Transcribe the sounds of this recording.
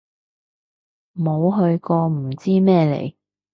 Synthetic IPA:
mo˨˧wɦɵ˧ɥkɔː˧m̩˨˩t͡siː˥mɛː˥lḛ˨˩j

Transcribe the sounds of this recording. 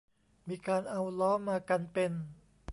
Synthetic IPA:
miː˧kaː˧nʔa˧wlɔː˦˥maː˧ka˧npe˧n

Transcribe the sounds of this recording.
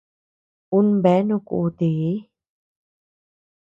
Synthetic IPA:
u˦nbɛ˨˦nũ˧kṵ˧ʔt̪i˨˦

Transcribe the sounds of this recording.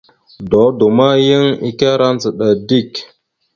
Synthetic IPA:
do˨˦du˨ma˦jə˦ŋi˦ka˦ɾa˦n˦t͡sə˨ɗa˨di˦˨k

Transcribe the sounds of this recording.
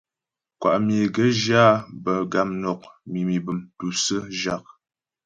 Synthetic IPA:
kwa̰˨ʔm˨e˨ɡə˦d͡ʒaː˦bə˨ɡa˨mnɔ˨k̚mi˨mi˨bə˨mtu˨sə˦ʒa˨k̚

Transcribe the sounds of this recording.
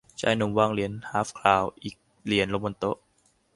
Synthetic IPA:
t͡ɕʰa̰ː˧˥˩jnu˧˩mwaː˧˩ŋli˨˩˦ənhaː˨˦˥fkʰlaː˨˩wʔiː˨˩k̚ | li˩˦ənlo˧˩mo˧nt̪o˦˥ʔ

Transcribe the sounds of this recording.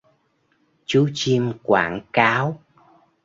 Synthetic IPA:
t͡ɕu˨˦t͡ɕi˧mkwa̰ː˧˩ŋkaː˨˦w

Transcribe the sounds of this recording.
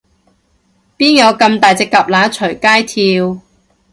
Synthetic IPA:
piː˥njɐ˨˧wkɐ˧mt̪aː˨jt͡sɛ˧kːɐ˨p̚laː˨˧˥t͡ʃʰɵ˨˩jkaː˥jt̪ʰiː˧w

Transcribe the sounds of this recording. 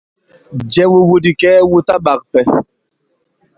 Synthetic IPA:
d͡ʒɛ˦wu˦wu˦di˨kɛː˦wu˦ta˦ɓa˨k̚pɛ˨

